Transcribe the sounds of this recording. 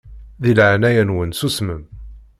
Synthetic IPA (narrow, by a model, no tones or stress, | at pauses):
ðilʕanæjənwənsusməm